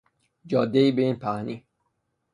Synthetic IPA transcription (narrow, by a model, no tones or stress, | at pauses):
d͡ʒɒːd̪ːeiːbeiːnpʰæhniː